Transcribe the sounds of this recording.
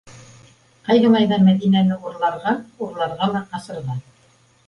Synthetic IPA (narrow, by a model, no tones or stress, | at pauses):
qɑjðɤmɑjðɑmæðinænɘuɾlˠɑɾʁɑuɾlˠɑɾʁɑlˠɑɑsɤ̆ɾʁɑ